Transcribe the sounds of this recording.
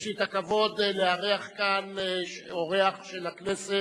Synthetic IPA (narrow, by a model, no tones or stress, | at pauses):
ʃit̪akavo̞d̪leaʁeaχkanʃoʁeaχʃelaknese